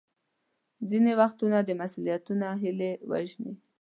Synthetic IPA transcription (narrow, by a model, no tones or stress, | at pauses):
zinewaxt̪unad̪əmasulijat̪unaɦɪlewa̰ʒnḭ